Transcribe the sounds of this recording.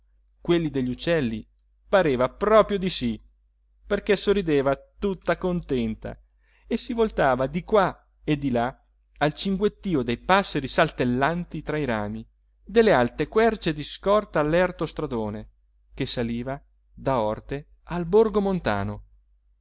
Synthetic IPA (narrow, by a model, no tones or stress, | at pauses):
kwelːid̪eʎːut͡ʃːɛlːi | paɾeːvapɾɔːpɾjod̪isi | perkesorːid̪eːvat̪ut̪ːakont̪ɛnt̪a̰ | esivolt̪aːvad̪ikwa | ed̪ila | alt͡ʃiŋɡwet̪ːiːod̪ejpasːeɾisalt̪elːant̪it̪ɾaiɾaːmi | d̪elːealt̪ekwɛrt͡ʃed̪iskɔrt̪aːlːɛrt̪ost̪ɾad̪oːne | k̟esːaliːva | d̪aɔrt̪e | alborɡomont̪a̰ːno